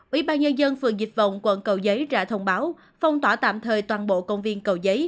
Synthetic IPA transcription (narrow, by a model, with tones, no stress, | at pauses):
ʔwi˧˩˦ɓaː˧nɲə˧nzə˧nfɨ˨˩əŋzi˨˩t̚və̰˧˨wŋ͡mkwə̰˧˩˨nkə˨˩wzə˨˦jza̰ː˧˥t̪ʰə˧wŋ͡mɓaː˨˦w | fa˧˩wŋ͡mt̪waː˧˩t̪a̰ː˧˨mt̪ʰəː˨˩jt̪waː˨˩nɓo̰˧˨kə˧wŋ͡mvi˧ənkə˨˩wzəː˨˦j